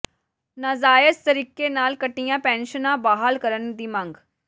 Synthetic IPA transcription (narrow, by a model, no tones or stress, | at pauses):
nəzaːjəst̪əɾiːkeːnaːlkəʈːijãːpɛ̃ːnʃənãːbaːɦalkəɾənd̪iːmə̃ŋɡ